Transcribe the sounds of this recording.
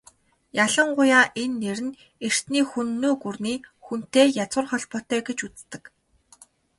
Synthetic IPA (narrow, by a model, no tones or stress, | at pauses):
jaɮə̆ɴɢʊjaːʔenːeɾɘ̆n | er̥t̪niːxunːoːɡurniːxun̥t̪eːjat͡swə̆rχɔɮpɔt̪œːɡet͡ɕut͡st̪ɘ̆k